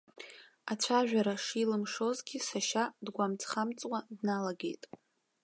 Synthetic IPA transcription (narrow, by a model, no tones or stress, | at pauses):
at͡ɕʷʰaʒᶣaɾaʂilɨmʂo̞zɡʲisaʃadɡʷamt͡sʰʼχamt͡sʼwadnalaɡe̞̰jtʼ